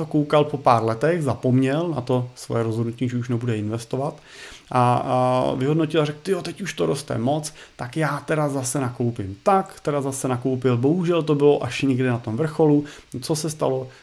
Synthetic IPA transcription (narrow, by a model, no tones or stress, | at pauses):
okowkalpo̞paːɾlɛt̪ɛxzapo̞mɲɛlna̰t̪o̞sʋo̰jɛɾozɦodnuciːʒɛuʃnɛbudɛɪnvɛst̪o̞vat̪ | ʔa | vɪɦodnocɪlarɛkt̪ɪjot̪ɛcuʃt̪oɾost̪ɛ̰mo̞t͡st̪akjaːt̪ɛɾazasɛnako̞wpɪmt̪akt̪ɛdazasɛnako̞wpɪlboɦuʒɛlt̪o̞bɪloʔaʃɲɛɡdɪnat̪o̞mvr̩xo̞lu | t͡so̞sɛst̪a̰lo̞